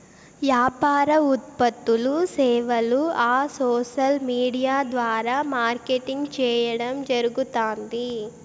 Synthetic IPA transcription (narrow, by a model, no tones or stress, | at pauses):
ʋjaːpaːɾɐut̪̚pɐt̪ːulusɛːʋɐluaːsoːʃɐlmiːɽijaːd̪ʋaːɾaːmaːɾkeʈiŋɡt͡ʃɛːjɐɽɐmd͡ʒɐɾuɡut̪aːnd̪i